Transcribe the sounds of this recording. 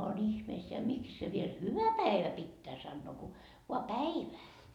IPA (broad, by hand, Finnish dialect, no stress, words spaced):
on ihmeisːeæ miks se ʋiel hyʋæ pæiʋæ pitːæː sɑnːoː ku ʋoɑ pæiʋæː